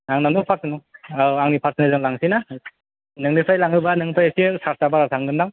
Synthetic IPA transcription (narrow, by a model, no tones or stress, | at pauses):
aŋnanɯpʰaɾsɯnuaaŋnipʰaɾsɯnɯzɯŋlaŋsina | nɯŋnipʰajlaŋɯbanɯŋpʰajasisaɾsabaɾatʰaŋɡɯndaŋ